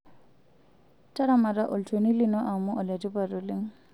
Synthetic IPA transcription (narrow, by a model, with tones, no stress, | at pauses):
ta˦ɾama˨ɾa˦ʔo˨ltʰoni˦linɔ˦ʔa˨mu˦ʔɔ˨le˨ti˦paɾuli˦ŋ